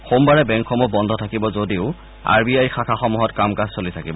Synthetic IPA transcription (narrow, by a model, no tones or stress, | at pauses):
xombaɹɛbɛŋkʰɔmɔbɔndʱɔtʰakibɔzodiʊ | a̰ɹbiajxakʰaxɔmuɦɔtkamkazsolitʰakibɔ